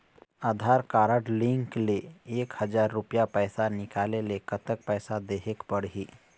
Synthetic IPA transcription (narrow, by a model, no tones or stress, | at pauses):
aːd̪ʱaɾkaɾəʈlĩŋkleeːkhəd͡ʒaɾːupjapəjsanɪkalelekət̪ək̚pəjsad̪eɦekpəɽɦiː